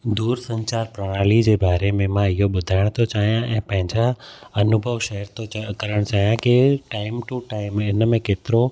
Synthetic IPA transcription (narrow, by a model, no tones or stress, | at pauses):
d̪uːɾsɐ̃ɲt͡ɕaːɾpɾɐɽ̃aːlid͡ʑeːbaːɾemẽmãɪɦoɓʊd̪ʱaːɪɽ̃t̪ʰot͡ɕaːɦijãʔɛ̃ːpɐ̃ɦɪ̃ɲd͡ʑaɐnʊbʱəʋʃɐɦəɾt̪ʰokɐɾəɽ̃t͡ɕaːɦijãkɪʈaːɪmʈuʈaːɪmɪnmẽkeːt̪ɪɾo